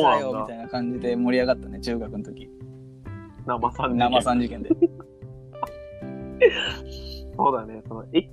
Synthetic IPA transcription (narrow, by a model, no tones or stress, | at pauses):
onãjomit̪ainakãɲ̟d͡ʑid̪e̞mo̞ɾʲiaɡat̪ːanet͡ɕɨːɡakɯ̟not̪o̞kʲi | namasãnamasãɲd͡ʑikẽ̞nd̪ | soːd̪anesonoe